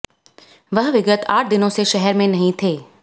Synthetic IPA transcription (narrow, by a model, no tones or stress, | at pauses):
ʋɐɦʋɪɡət̪a̰ːʈ̚ʰd̪ɪnõseʃɛɦɛɾmẽnɐɦĩt̪ʰeː